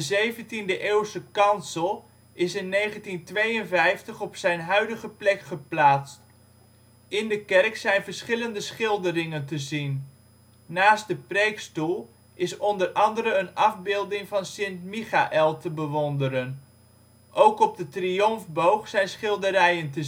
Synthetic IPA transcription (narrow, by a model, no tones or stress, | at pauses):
dəzejvəntindəʔeːwsəkɑnsəlˠ | ɪsɪnːejχəntintʋejənvɛjftəχɔpsɛjnɦœɥdəχəplɛkχəplaːtst | ɪndəkɛrksɛjnvəɹsχɪləndəsχɪlˠdəɾɪŋəntəzinː | aːstdəprejkstulˠ | ɪsɔndərɑndəɾəənɑvbɪːlˠdɪŋvɑnsɪntmiχaʔɛlˠtəbəʋɔndəɾən | ʔowkɔb̚dətrijɔmvbowχsɛjnsχɪlˠdəɾɛjəntə